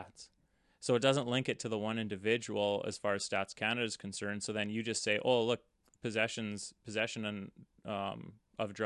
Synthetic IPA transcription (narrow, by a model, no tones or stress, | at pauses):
ts | soʊət̚d̥ʌzə̃nʔlɪ̃ŋkɨtʰɨðəwʌ̃nɪ̃ndɨvɪd͡ʒəl̩ˠə̰z̥fɑɹɨz̥stætskʰæ̃nɨɾɨz̥kʰn̩sɜ̃˞n̥soʊðɨ̃njɨd͡ʒʌstseɪʔoʊlʊk̚ | pʰɨzɛʃɨ̃nz̥pʰɨzɛʃɨ̃ññ | m | ʌvdɹ